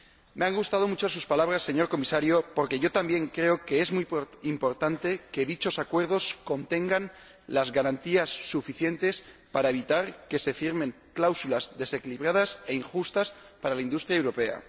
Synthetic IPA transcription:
meaŋɡust̪að̞o̞mut͡ʃos̬uspalaβ̞ɾasːe̞ɲo̞ɾko̞misaɾjo̞po̞ɾke̞ʝo̞t̪ambje̞ŋkɾe̞o̞ke̞ezmujimpo̞ɾt̪ant̪e̞ke̞ðit͡ʃo̞sakwe̞ɾð̞o̞sko̞nt̪e̞ŋɡan | lazɣaɾant̪iasːufiθje̞nt̪e̞spaɾae̞β̞it̪aɾke̞se̞fiɾmẽ̞ŋ | klawsulazðe̞se̞kiliβɾað̞ase̞iŋxust̪aspaɾalaind̪ust̪ɾjaewɾo̞pe̞a̰

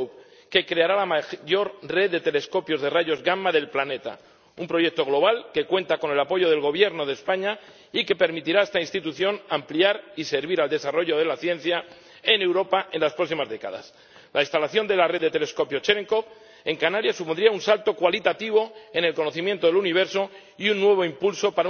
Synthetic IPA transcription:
ke̞kɾe̞aɾalamaʝo̞ɾre̞ðːe̞t̪e̞le̞sko̞pjo̞zðe̞raʝo̞zɣamaðe̞lplane̞t̪a̰ | umpɾo̞ʝe̞k̚t̪o̞ɣ̞lo̞βalke̞kwe̞nt̪ako̞ne̞lapo̞ʝo̞ðe̞lɣo̞β̞je̞ɾno̞ð̞espaɲa | ike̞pe̞ɾmit̪iɾae̞st̪ainst̪it̪uθjo̞nampliaɾise̞ɾβiɾald̪e̞saro̞ʝo̞ðe̞laθje̞n̟θja | e̞ne̞wɾo̞paʔe̞nlaspɾo̞ksimazðe̞ka̰ða̰s | lainst̪alaθjo̞nd̪e̞lare̞ððet̪e̞le̞sko̞pjot͡ʃeɾeŋkop | e̞ŋkanaɾjasupo̞nd̪ɾiaunsalt̪o̞kwalit̪at̪iβ̞o̞e̞ne̞lko̞noθimjent̪o̞ðe̞luniβ̞e̞ɾso̞ | iunːwe̞β̞o̞impulso̞paɾa

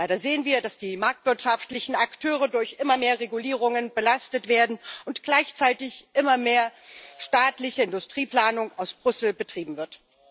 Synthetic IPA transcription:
aɪɾɐzeːənviːɐdasd̥iːmaɐk̚tv̥ɪɐtʃaftlɪçn̩aktʰøːʁ̞ədʊɐçʔɪmɐmeːɐʁeɡuliːʁ̞ʊŋənbəlastətv̥eːɐdn̩ʔʊntɡ̥laɪçt͡saɪtɪçʔɪmɐmeːɐʃtaːtlɪçəɪndʊstʁ̥iːplaːnʊŋaʊsb̥ʁʏsl̩bətʁ̥iːbm̩vɪɐt

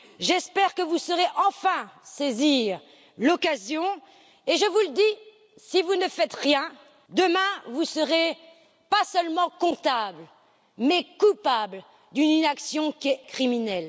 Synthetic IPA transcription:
ʒɛspɛʁkəvusəʁeʔɑ̃fɛ̃seziʁ | lɔkazjɔ̃ | eʒəvuləd̪i | sivunəfɛt̪ʁjɛ̃ | d̪əmɛ̃vusəʁe | pasœlmɑ̃kɔ̃t̪abl | mɛkupabl | d̪yninaksjɔ̃kʲɛkχiminɛl

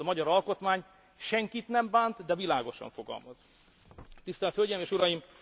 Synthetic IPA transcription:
ɒmɒɟɒɾɒlko̞t̪maːɲ | ʃɛŋkit̪nɛmbaːnt̪d̪ɛvilaːɡo̞ʃɒ̰ɱfo̞ɡɒ̰lmɒz | t̪ist̪ɛlt̪hølɟemeːʃuɾɒjim

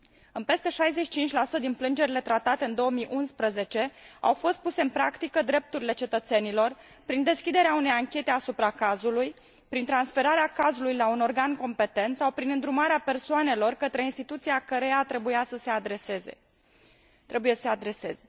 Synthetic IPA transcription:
ɨnpe̞st̪e̞ʃajzet͡ʃʃi̥t͡ʃint͡ʃʲlasu̥t̪əd̪inplɨnd͡ʒe̞ɾile̞t̪ɾat̪at̪eɨnd̪o̞wəmiʔunspɾəze̞t͡ʃe̞a̰wfo̞st̪̚puse̞ɨnpɾakt̪ikəd̪ɾe̞p̚t̪uɾile̞t͡ʃe̞t̪ət̪se̞nilo̞r | pɾind̪e̞skʲid̪e̞ɾeaune̞jaŋkʲe̞t̪e̞asupɾakazuluj | pɾint̪ɾansfe̞ɾaɾeakazulujlauno̞rɡanko̞mpe̞t̪e̞nt̪sawpɾinɨnd̪ɾumaɾeape̞rsoane̞lo̞rkət̪ɾe̞inst̪it̪ut̪sijakəɾejat̪ɾe̞bujasəse̞ad̪ɾese̞zḛ | t̪ɾe̞bujessead̪ɾe̞se̞ze

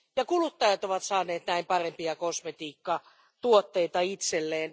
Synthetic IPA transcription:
jɑkulut̪ːɑjɑt̪oʋɑt̪sɑːneːt̪næimpɑrempiɑkosmet̪iːkːɑ | t̪uot̪ːeit̪ɑit̪selːeːn

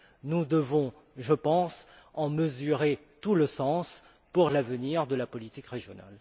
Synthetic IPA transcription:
nud̪əvɔ̃ | ʒəpɑ̃s | ɑ̃məzyʁe | t̪uləsɑ̃s | puʁlavəniʁd̪əlapɔlit̪ikʁeʒjɔna̰l

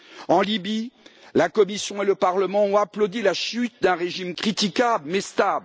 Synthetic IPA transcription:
ɑ̃libilakɔmisjɔ̃eləpaʁləmɑ̃ɔ̃aplod̪ilaʃyt̪̚d̪ɛ̃ʁeʒimkχit̪ikʲablmɛst̪abl

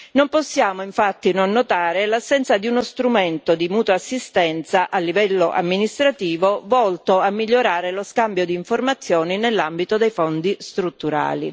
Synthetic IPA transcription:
nomposːjaːmoiɱfat̪ːinonːot̪aːɾelasːɛnt̪sad̪iunost̪ɾument̪od̪imuːt̪wasːist̪ɛnt̪saʔalːivɛlːoʔa̰mːinist̪ɾat̪iːvovɔlt̪oamːiʎːoɾaːɾeloskambjod̪iːɱformat̪sːjɔːninelːambit̪od̪ejfond̪ist̪ɾut̪ːuɾa̰ːlḭ

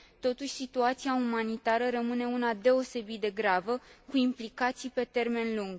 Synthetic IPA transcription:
t̪o̞t̪uʃʲsit̪uat̪siaumanit̪aɾəɾəmɨne̞unad̪e̞o̞se̞bit̪̚d̪e̞ɡɾavəkuimplikat̪sijpe̞t̪e̞rme̞nluŋɡ

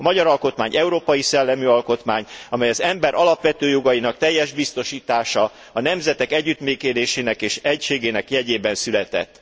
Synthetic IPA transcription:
ɒmɒɟɒɾɒlko̞t̪maːɲʔɛuɾoːpɒjisɛlːɛmyɒlko̞t̪maːɲɒmɛjɒzɛmbɛɾʔɒlɒpʋɛt̪øːjoɡɒjinɒk̚t̪ɛjːɛʒbist̪o̞ʃiːt̪aːʃɒ | ɒnɛmzɛt̪ɛkɛɟːyt̪meːkeːd̪eːʃeːnɛkeːʃɛcʃeːɡeːnɛkjɛɟeːbɛnsylɛt̪ɛ̰t̪ː

